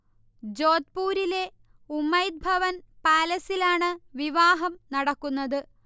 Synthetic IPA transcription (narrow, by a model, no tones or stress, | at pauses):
d͡ʑo̞ːt̪̚puːɾile̞ | umːɐjd̪̚bʱɐʋɐnpaːlɐsilaːɳɨʋiʋaːɦɐmnɐɽɐkːunːɐðɨ